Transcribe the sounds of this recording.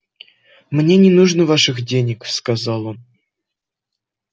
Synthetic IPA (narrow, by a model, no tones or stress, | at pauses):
mnʲenʲɪnuʐnəvaʂɨxdʲenʲɪkskazɑlˠə̆